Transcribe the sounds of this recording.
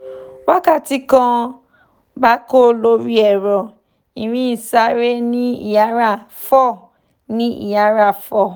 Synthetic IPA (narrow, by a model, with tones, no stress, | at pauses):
wa˦ka˦˨ti˧kã˧˦ | ba˦ko˦˨lo˦ɾi˦ɛ˨ɾɔ˨ | i˨ɾ̃ĩ˦i˨sa˧˦ɾe˦nĩ˦ḭ˦˨ja˨˦ɾa˦˨ | fɔ˦˨ | nĩ˦ḭ˨ja˨˦ɾa˦˨fɔ˦˨